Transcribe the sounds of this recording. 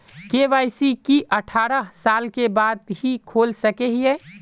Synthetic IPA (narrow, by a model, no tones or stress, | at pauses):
keʋaːɪsikiʔəʈʰaːɾəɦsalkebad̪ɦikʰolsəkeɦiɛ